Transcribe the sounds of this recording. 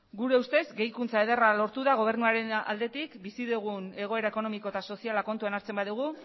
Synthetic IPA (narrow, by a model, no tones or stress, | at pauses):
ɡuɾe̞ust̪e̞zɡe̞jkunt͡sae̞ð̞eralo̞ɾt̪uðaɣ̞o̞β̞e̞ɾnuaɾe̞na̰ld̪e̞t̪ikbisiðuɣ̞une̞ɣ̞o̞e̞ɾae̞ko̞no̞mikot̪aso̞sialako̞nt̪uanaɾt͡se̞mbaðuɣ̞u